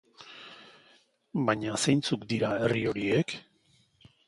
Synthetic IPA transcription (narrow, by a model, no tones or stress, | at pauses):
baɲasejnt͡sukd̪iɾae̞rio̞ɾie̞k